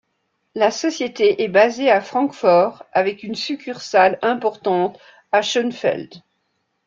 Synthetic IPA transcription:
lasɔsjet̪eʔɛbazeafχɑ̃kfɔʁavɛkynsykʲʰyʁsalɛ̃pɔʁt̪ɑ̃t̪ | aʃənfɛ̰ld̪

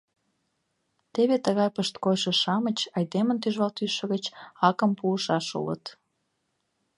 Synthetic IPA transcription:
t̪eβet̪əɣɑjpəʃt̪kojʃə̆ʃɑmət͡ɕɑjd̪emənt̪yʒβɑlt̪yʃə̆ɣət͡ɕɑkəmpuəʃɑʃṵlə̰t̪

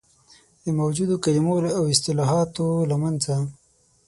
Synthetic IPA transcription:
d̪əmawd͡ʒud̪okalimolawɪst̪ɪlɑɦɑt̪olamanza

